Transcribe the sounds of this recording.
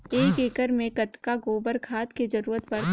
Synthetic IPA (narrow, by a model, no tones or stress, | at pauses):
eːkeːkəɾmẽkɐt̪kaɡoːbəɾkʰaːt̪ked͡ʒɐɾuːɾət̪bɐɾ